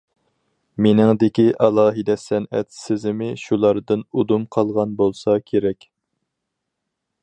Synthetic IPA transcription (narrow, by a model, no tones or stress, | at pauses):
menɪŋd̪ɪkʲiʔɑlˠɑːɦɨd̪ɛsɛnɛ̰t̪sɪzɪmɪʃulˠɑɾd̪ɨnud̪umqʰɑlˠʁɑnbolˠsɑkʲʰeɾɛkʲ